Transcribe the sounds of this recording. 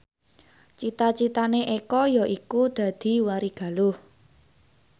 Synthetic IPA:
t͡ʃit̪at͡ʃit̪aneʔekɔjɔʔikud̪̥ä̤d̪̥i̤waɾiɡ̥a̤lʊh

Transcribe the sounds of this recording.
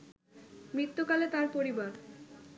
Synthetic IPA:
mɾit̪ːukalet̪aɾpoɾibaɾ

